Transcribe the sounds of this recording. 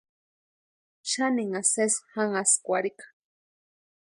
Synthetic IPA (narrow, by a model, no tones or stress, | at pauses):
ʃaniŋasesxaŋaskʷaɾikḁ